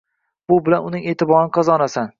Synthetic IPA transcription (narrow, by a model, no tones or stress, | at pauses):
b̥ʊbɪlanʊnɪŋe̞ːt̪ɪbɒɾnqʰɑzɒnasan